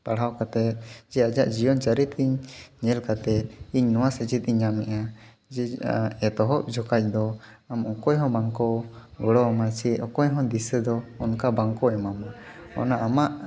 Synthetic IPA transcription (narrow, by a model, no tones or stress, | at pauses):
paɽɦawkat̪ɛt̪̚d͡ʒɛad͡ʒaʔd͡ʒijɔnt͡ʃaɾit̪iɲɲɛlkat̪ɛt̪̚iɲnɔwasəd͡ʒit̪̚ˀiɲːamɛʔa | d͡ʒɛɛt̪ɔɦɔʔd͡ʒʱɔkac̚d̪ɔ | amɔkɔjɦɔ̃baŋkɔɡɔɽɔmasiɔkɔjɦɔ̃d̪isəd̪ɔːnkabaŋkɔɛmamɔ | ɔ̰naamaʔ